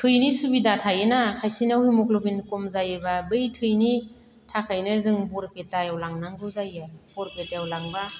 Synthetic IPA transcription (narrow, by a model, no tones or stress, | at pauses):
tʰɯjnisubidatʰajɯnakʰajsinawhimɔklɔbinkɔmzajɯbabɯjtʰɯjni | tʰakʰajnɯzɯŋbɔɾpetajawlaŋnaŋɡɯwzajɯb̥ɔɾpetajawlaŋba